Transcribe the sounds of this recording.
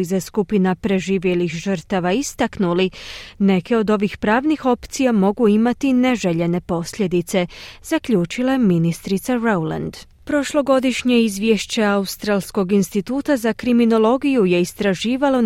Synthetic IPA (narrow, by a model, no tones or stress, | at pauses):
izaskupinapɾe̞ʒiːʋje̞lixʒəɾt̪aʋaist̪aknuline̞ke̞o̞d̪o̞ʋixpɾaːʋnixo̞pt̪sijamo̞ɡuimat̪ine̞ʒe̞ʎe̞ne̞po̞sʎʲe̞d̪it̪se̞z̥akʎuːt͡ʃilˠajeminist̪ɾit̪saɾowla̰nd̪ | pɾo̞ʃlˠo̞ɡo̞d̪iʃɲe̞izʋje̞ʃt͡ɕe̞aust̪ɾaːlˠsko̞ɡinst̪it̪uːt̪azakɾimino̞lˠo̞ɡijuje̞ist̪ɾaʒiːʋalo̞